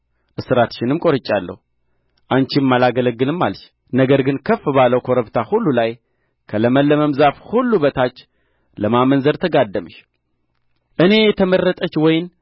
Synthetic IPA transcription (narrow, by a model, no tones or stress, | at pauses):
ʔɨsɨɾat̪ʃɪnɨmkʼo̞ɾɨt͡ʃʼːalːə̰hu | ʔant͡ʃɪmːalaɡələɡːɨlɨmːalʃ | nəɡəɾɡɨnkʰəfːɨbaləwkʰo̞ɾəβt̪ʰahulːulaj | kʰələməlːəməmzafhulːubət̪ʰat͡ʃː | ləmamənzəɾt̪ʰəɡad̪ːəməʃ | ʔɨne̞jɛt̪ʰəmərːət̪ʼət͡ʃːwɔjɪn